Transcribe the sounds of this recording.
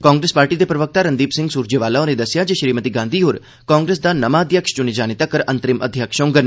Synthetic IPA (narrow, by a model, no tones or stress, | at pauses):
kɔ̃ːŋɡɾeːspaːɾʈid̪epɾɐʋək̚t̪aɾɐ̃nd̪iːpsɪ̃ŋɡsuːɾd͡ʒeʋaːlaoned̪ɐsjad͡ʒeʃɾiːmət̪iɡãːnd̪ʱiɦʊɾ | kɔ̃ːŋɡɾeːs̬d̪anɐmaːd̪ʱjəkʃd͡ʒʊnid͡ʒaːnɪt̪akəɾɐ̃nt̪ɾɪmɐ̰d̪ʱjəkʃõːŋɡən